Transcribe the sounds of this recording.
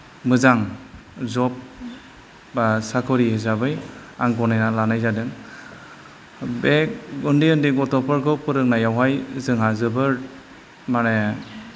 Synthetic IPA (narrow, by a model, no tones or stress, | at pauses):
mɯzaŋzɔp̚ | asakʰɔɾihezabɯjaŋɡɔnanalanajzadɯŋ | bek̚ɡundiɯndiɡɔtɔpɔɾkʰɔpɯɾɯk̚najawɦajzɯŋɦazɯbɯɾ | mane